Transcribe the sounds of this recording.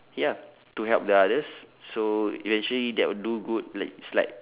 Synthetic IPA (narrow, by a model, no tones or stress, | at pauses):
ja | tuɦɛlp̚dəadəssoivɛ̃nt͡ʃəlidɛʔ̚wuduɡut̚laɪk̚slaɪk̚